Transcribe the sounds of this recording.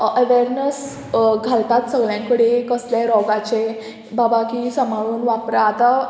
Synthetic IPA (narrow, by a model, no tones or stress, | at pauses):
əʋeɾnəs | ɡʱalt̪at̪səɡɭjãŋkəɽekəsljaɾɔɡat͡ɕe | babakisəmaɭuːnʋapɾaːt̪a